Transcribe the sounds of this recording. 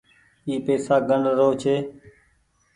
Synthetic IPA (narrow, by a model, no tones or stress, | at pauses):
iːpeːsaːɡəɳɾoːt͡ʃʰeː